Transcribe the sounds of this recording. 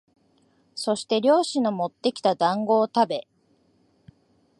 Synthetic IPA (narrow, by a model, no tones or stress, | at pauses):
so̞ɕi̥t̪e̞ɾʲo̞ːɕino̞mo̞t̪ːe̞kʲi̥t̪ad̪ãŋɡo̞ːt̪abe̞